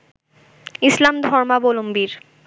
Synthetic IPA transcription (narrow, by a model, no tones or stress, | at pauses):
islamd̪ʱɔɾmabolombiɾ